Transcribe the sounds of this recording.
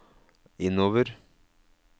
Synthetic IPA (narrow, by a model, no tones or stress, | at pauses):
ɪnːoːʋəɾ